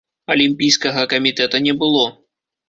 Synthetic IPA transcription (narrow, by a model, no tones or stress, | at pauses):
ɐlʲimʲpʲijskɐɣɐkɐmʲit̪ɛt̪ɐnʲɛbɨlˠɔ